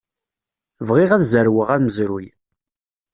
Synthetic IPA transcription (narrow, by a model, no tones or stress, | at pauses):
vʁiʁæðzəɾwəʁæɾməzɾuj